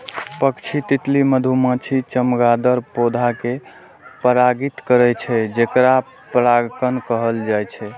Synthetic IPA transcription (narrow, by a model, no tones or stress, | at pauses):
pəkt͡ʃʰit̪it̪liməd̪ʱumə̃t͡ʃʰit͡ʃəmɡad̪əɾpod̪ʱake | pəɾaɡit̪kəɾɛt͡ʃʰɛd͡ʒekɾa | pɾaɡkənkəɦəld͡ʒajt͡ʃʰɛ